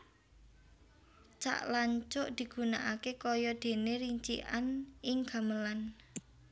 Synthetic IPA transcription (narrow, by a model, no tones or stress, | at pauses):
t͡ʃa̰ʔlaɲt͡ʃʊʔd̪̥i̤ɡ̥ṳnaʔakekɔjɔd̪̥e̤neɾiɲt͡ʃḭʔanʔɪŋɡ̥a̤məlan